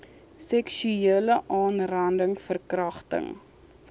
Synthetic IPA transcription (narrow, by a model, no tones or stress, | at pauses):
sɛkʃyeːləʔɑːnrɐndəŋfərkrɐχtə̰ŋ